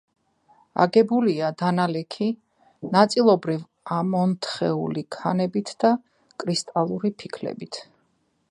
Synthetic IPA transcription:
a̰ɡɛbuliad̪analɛkʰi | nat̪sʼilˠɔbɾiv | amɔnt̪ʰχɛulikʰanɛbit̪ʰd̪̥a | kʼɾist̪ʼalˠuɾipʰikʰlɛ̰bit̪ʰ

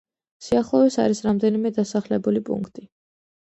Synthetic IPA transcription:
siaχlˠɔvisa̰ɾisɾamd̪ɛnimɛd̪asaχlɛbulipʼṵŋkʰt̪ʼi

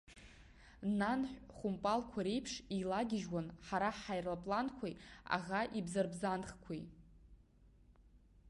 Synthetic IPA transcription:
nanħʷᶣχʷʊmpʼalkʷʰaɾejpʰʂilaɡʲɪʒwanħaɾaħajrlapʼlankʷʰeja̰ʁaʔibzarbzanχkʷʰij

